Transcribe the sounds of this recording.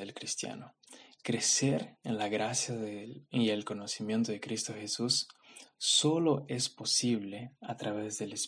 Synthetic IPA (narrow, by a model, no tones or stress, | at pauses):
ðelkɾist̪ja̰no | kɾeseɾenlaɣɾasjaielko̞nosimjent̪oðekɾist̪oxesusː | oloʔespo̞siβleat̪ɾaβezðeles